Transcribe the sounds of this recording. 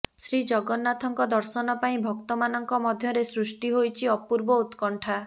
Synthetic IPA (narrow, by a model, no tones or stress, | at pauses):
sɾid͡ʒɔɡɔnːat̪ʰɔŋkɔd̪ɔɾsɔnɔpaĩbʱɔk̚t̪ɔmanɔŋkɔmɔd̪ʱjɔɾesɾusʈiɦojt͡ʃʰiɔpuɾbɔut̪kɔɳʈʰa